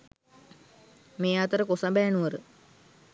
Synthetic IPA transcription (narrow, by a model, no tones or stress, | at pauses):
meːat̪əɾəkosabɛːnuʋəɾə